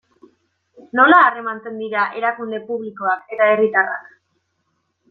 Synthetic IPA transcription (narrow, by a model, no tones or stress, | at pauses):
no̞laːre̞mant͡se̞nd̪iɾaʔe̞ɾakund̪e̞puβliko̞ake̞t̪ae̞rit̪ara̰k